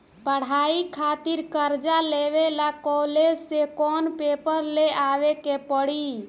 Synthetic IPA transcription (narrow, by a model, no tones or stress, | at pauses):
pəɽ̤aikʰat̪iɾkəɾd͡ʒaleβelakɔled͡ʒsekɔnpepəɾleʔaβekepəɽi